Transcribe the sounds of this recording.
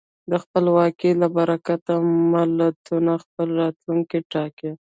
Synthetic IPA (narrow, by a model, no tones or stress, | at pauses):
d̪əxpəlwɑkilabaɾakat̪amalat̪unaxpəlɾɑt̪luŋkiʈɑke